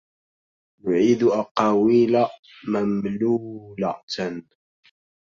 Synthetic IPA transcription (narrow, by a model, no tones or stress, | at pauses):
nʊʕiːd̪ʊʔaqɑwiːla | mamluːlat̪n